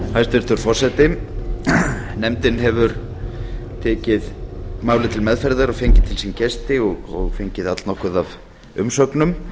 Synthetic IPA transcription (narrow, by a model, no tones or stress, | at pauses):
hajst̪vɛɾ̥t̪ʰʏɾ̥fɔr̥sɛt̪ɪ | nɛmt̪ɪnɦɛvʏɾ | t̪ʰɛːcɪðmaːwlɪt̪ʰɪlmɛðfɛɾðaɾɔɣfejɲcɪð̥t̪ʰɪlsincɛst̪ɪɔɣɔ̰ɣfeɲcɪðat̪lnɔhkʏðav | ʏ̰msœknʏm